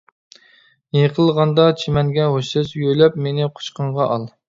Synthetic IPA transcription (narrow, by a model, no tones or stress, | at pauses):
jeqʰəlˠʁɑnd̪ɑt͡ʃʰimɛnɡʲɛɦoʃɨsjøjlɛpmenɪqʰo̥ʃqəɴʁɑʔɑlˠ